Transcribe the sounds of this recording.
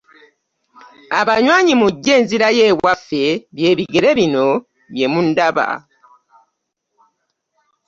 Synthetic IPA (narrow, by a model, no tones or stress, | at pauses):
aβaɲwaːɲimuɟːe̞ːnziɾaje̞ːwafe̞βje̞ːβiɡe̞ɾe̞βino̞ | βje̞mundaβa̰